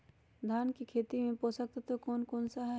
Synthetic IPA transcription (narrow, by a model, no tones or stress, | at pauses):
d̪ʱaːnkikʰeːt̪imẽpoːsək̚t̪t̪okoːnkɔːnsaɦɛ